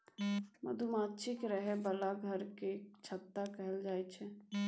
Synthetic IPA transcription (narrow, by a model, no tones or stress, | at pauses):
mə̰d̪ʱumatːʃʰikɾəɦebəlaɡʱəɾket͡ʃʰət̪ːakəɦɛld͡ʒaːɛt͡ʃʰɛ